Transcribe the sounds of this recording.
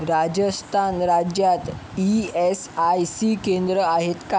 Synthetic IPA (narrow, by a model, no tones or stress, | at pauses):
ɾad͡ʑəst̪ʰanɾad͡ʑjat̪iesajsikend̪ɾəaɦet̪ka